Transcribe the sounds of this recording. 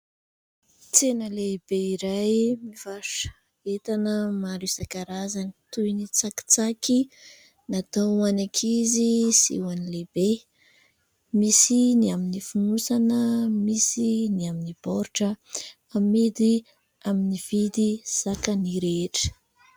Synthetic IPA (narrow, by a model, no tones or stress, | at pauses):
t͡senəleb̥eiɾajmivaʃ | et̪anəmaɾusakaɾazani̥t̪ujnit͡saki̥t͡saki | nat̪oanakʰizisḭwanilebe | misiniaminifunusanəmisiniaminib̥ɔɾʈ͡ʂə | amid̪i | aminiv̥id̪iz̥akəniɾeʈ͡ʂə̥